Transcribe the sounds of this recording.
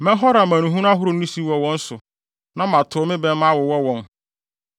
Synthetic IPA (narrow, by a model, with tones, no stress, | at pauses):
mɛ̃˦ɦɔ˦ɾa˨mã˨nũ˨ɦũ˦n˦a˦ɦʊ˦ɾʊ˨˦nĩ˦si˦wɔ˦wɔ̃˦n̩˦sʊ˨ | nã˦mã˨tʰʊ˨˦mɪ̃˦bɛ˦mã˦wɔ˨wɔ˦wɔ̃˦n